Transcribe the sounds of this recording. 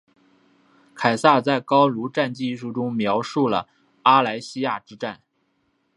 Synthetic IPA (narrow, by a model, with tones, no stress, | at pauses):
kʰa˨˩ɪsa˥˧t͡sa˥˩ɪkɑ˥ʊlu˧˥ʈ͡ʂa˥˧nt͡ɕi˥˩ʂu˥˩ʈ͡ʂʊ˥ŋmjɑ˧˥ʊʂu˥˩lə̰˩ | a˥la˧˥ɪɕi˥ja˥˩ʈ͡ʂɻ̩˥ʈ͡ʂa˥˩n